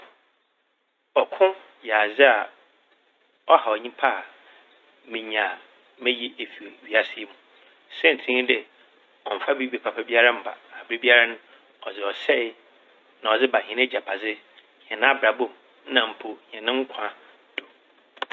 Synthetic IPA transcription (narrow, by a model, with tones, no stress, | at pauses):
ɔ˨kʰʊ̃˦ | ja˨zɪ˦a˨ | ɔ˦ha˨ɔ˨ɲĩ˦pʰa˦˨ | mĩ˨ɲ˨a˨ | mɛ̃˦ji˦ʔe˨fi˨o˨ɥi˨a˦sɪ˦ɛ˦mũ˨ | sɛ̃˦n̩˨tʰĩ˦dɪ˨ | ɔ˨m̩˨fa˦bi˦be˨pʰa˨pʰa˦bi˦a˦ɾa˦m̩˨ba̰˨a˨bɾe˦bi˦a˦ɾa˦nʊ̃˦ | ɔ˨zɪ˨ɔ˨sɛ˦ | nã˨ɔ˨d͡zɪ˦ba˨hɪ̃˨nɛ̃˦d͡ʑa˨pʰa˨d͡zɪ˦ | hɛ̃˨nã˦bɾa˨bõ˦˨m˦ | nã˨m̩˨pʰo˨hɛ̃˨nɪ̃˦ŋ̩˦kʷʰã˦ | d̥o˨